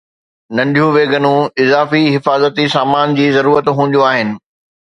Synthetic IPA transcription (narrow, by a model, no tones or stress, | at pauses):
nɐ̃nɖʱijũʋeːɡənũɪzaːfiɦɪfaːzət̪isaːmaːnd͡ʑiːzɐɾuːɾət̪ɦũːnd̪oaːɦɪnɪ̆